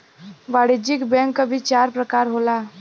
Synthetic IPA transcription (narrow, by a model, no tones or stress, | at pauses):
ʋaːɽid͡ʒɪkbɛ̃ŋkːabʱit͡ʃaːɾpɾɐkaːɾɦoːlaː